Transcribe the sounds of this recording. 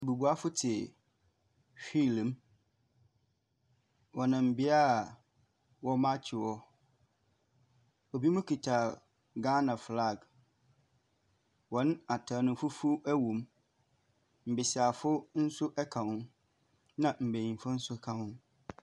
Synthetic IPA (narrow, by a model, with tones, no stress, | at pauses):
bu˨bu˨a˦fʊ˦tʰɪ˨ | fi˦˨lm | wɔ˨nɪ̃˨m̩˨bɪ˦a˦˨ | wɔ˦mã˦t͡ɕʰɪ˨wɔ˦ | ɔ˨bi˦mʊ̃˦kʰi˨tʰa˨ | ɡa˦nã˨fla˦˨ɡ | wɔ˨ñ˦a˨tʰa˨nʊ̃˨˦fʊ˦fu˦æ˦wũ˨m | m̩˨bɪ˨sɪ˨a˨fʊ˦n̩˦sʊ˦ʔɛ˦kʰã˨hʊ̃˦ | nã˨m̩˨be˨ĩ˨nfʊ˦n̩˦sʊ˦kʰã˨hʊ̃˦n